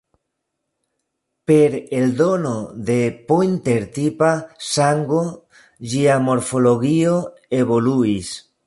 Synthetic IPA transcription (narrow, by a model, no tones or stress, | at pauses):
peɾeld̪onoðepojnt̪eɾt̪ipasaŋɡo | ʒiamoɾfoloɣio | eβoluis